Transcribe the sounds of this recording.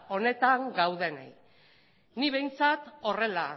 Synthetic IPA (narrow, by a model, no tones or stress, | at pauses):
o̞ne̞t̪aŋɡawðe̞na̰j | niβe̞jnt͡sat̪o̞re̞la